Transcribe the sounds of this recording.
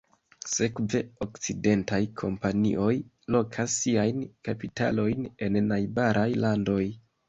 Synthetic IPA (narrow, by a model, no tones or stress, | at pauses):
se̞kve̞okt͡side̞ntajkʰo̞mpanḭʔo̞j | lo̞kʰasːiajnkapita̰lo̞jne̞nːajbaɾʔajlando̞j